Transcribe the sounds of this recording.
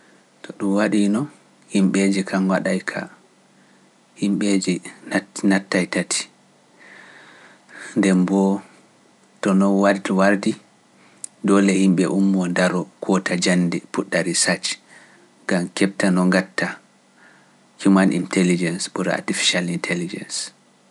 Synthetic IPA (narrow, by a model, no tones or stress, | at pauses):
tʰɔɗumwaɗinɔn | himɓed͡ʒikʰanwaɗajkʰa̰ | himɓed͡ʒi | natːajtatʰi̥ | ndɛmbɔ | tɔnɔwaɾdiwaɾdi | dɔlɛhimɓɛʔumːɔndaɾɔkʰɔtʰad͡ʒanːdɛpuɗːaɾisat͡ʃ | ɡamkɛp̚tanɔŋɡatːa | kumanʔḭntʰɛlid͡ʒɛnsbɔɾa̰tifi̥ʃalintʰɛlid͡ʒɛ̰ns